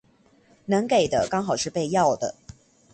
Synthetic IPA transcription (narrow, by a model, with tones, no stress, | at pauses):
nɤ˧˥ŋke˨˩ɪd̪ə˦kɑ˥ŋxɑ˨˩ʊʂɻ̩˥˧pe˥˧ɪjɑ˥˩ʊd̪ə̰˩